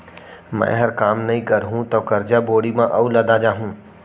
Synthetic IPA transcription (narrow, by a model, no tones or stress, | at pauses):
mɛ̰̃ːɦɐɾkaːmnɐɦĩkɐɾɦũt̪oːkɐɾd͡ʒaboːɽimãʔɐulɐd̪ad͡ʒaːɦũ